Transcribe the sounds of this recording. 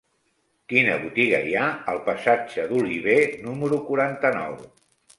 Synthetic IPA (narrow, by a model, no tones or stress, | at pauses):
kinə̰βut̪iɣə̰iaəlˠpəsad͡ʒəðuliβ̞enuməɾukuɾant̪ənɔ̰w